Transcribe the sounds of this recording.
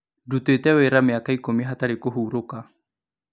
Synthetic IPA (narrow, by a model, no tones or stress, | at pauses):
dutwetɛweɾameakaikomiɦataɾekoɦuːɾoka